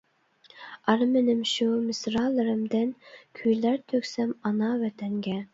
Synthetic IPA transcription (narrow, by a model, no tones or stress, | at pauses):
ɑɾmɪnɪmʃumɪsɾɑːlˠɨɾɨmd̪ɪnkʲʰyjlæɾt̪ʰøkʲsɛmɑnɑvɛt̪ʰɛŋɡʲɛ